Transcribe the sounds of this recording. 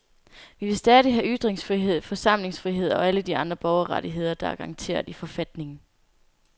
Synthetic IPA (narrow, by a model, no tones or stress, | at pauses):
ʋiʋe̝lsd̥ɛðˠiɦæʔyd̥ʁeŋsfʁiɦeð̰ˠfɒ̽sɑ̈m̰le̝ŋsfʁiɦe̝ð̞̰ˠɒ̽æləd̥iɑ̈nd̥ʁɐb̥ɒʊɐʁɑɾiɦe̝ð̞̰ˠɐd̥ɑ̈æɐɡ̥ɑŋt͡sʰe̝̰ːɐðˠifɒ̽fæd̥ne̝ŋn̩